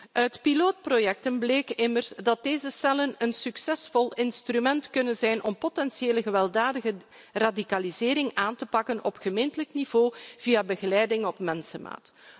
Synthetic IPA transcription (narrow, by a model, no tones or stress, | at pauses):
ʔœɥtpiloːt̚projɛk̚tənbleːkɪmərzdɑt̚deːzəsɛlənənsyksɛsfɔlˠɪnstrymɛntkɵnənzɛjnʔɔmpotɛnsjeːləɣəʋɛlˠdaːdəɣə | radikalizɪːɾɪŋaːntəpɑkənɔpxəmeːntələknivoːv̥ijabəɣəlɛjdɪŋɔpmɛnsəma̰ːt